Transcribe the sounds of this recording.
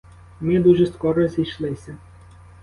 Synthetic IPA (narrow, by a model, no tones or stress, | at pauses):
mɪd̪uʒɛskɔɾɔzʲijʃlˠɪsʲɐ